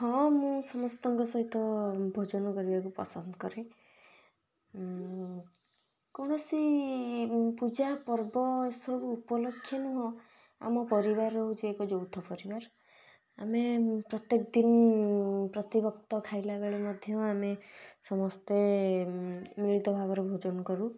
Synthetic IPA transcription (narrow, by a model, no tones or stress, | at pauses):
ɦɔ̃mũsɔmɔst̪ɔŋkɔsɔɦit̪ɔbʱɔd͡ʒɔnɔkɔɾibakupɔ̰sɔnd̪ɔkɔɾe | kɔɽ̃ɔsi | pud͡ʒapɔɾbɔsɔbuːpɔlɔkʰːjɔnuɦɔ̃ | a̰mɔpɔɾibaɾɔɦut͡ʃʰiekɔd͡ʒowt̪ʰɔpɔɾibaɾ | a̰mepɾɔt̪jekɔd̪in | pɾɔt̪ibɔkt̪ɔkʰajlabeɭemɔd̪ʱjɔamesɔmɔst̪e | miɭit̪ɔbʱaβɔɾebʱod͡ʒɔnɔkɔɾu